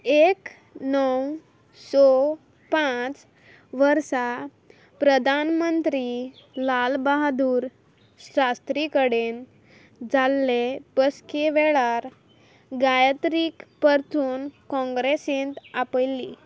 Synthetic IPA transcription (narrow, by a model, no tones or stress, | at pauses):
ek | nəw | sɔ | pãt͡s | ʋəɾsa | pɾəd̪ʱanmənt̪ɾilalbaɦad̪uːɾ | ɕast̪ɾikəɽen | d͡zalːepəskeʋɛɭaɾ | ɡajət̪ɾikpəɾt̪ʰuːnkɔ̃ŋɡɾesĩnt̪apəjlːḭ